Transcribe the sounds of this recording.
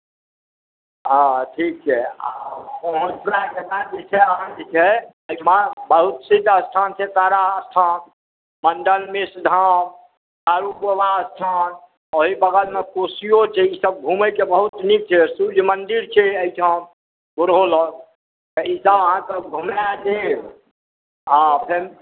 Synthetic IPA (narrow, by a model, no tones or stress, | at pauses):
ɦãʈʰik̚t͡ʃʰɛa̰pəɦõɾaket̪ad͡ʒet͡ʃʰɛəɦãd͡ʒet͡ʃʰɛ | əjt͡ʃʰmabəɦut̪sid̪ʱəst̪ʰant͡ʃʰɛt̪aɾaəst̪ʰan | mənɖəlmesd̪ʱam | aɾubəwaəst̪ʰan | oɦibəɡəlmekosijot͡ʃʰɛisəb̚ɡʱuməkebəɦut̪nik̚t͡ʃʰɛsud͡ʒʱmənd̪iɾt͡ʃʰɛəjt͡ʃʰəm | ɡuɾɦolɔ | t̪eisəbəɦãt̪ɔɡʱumad͡ʒe | apʰeɾ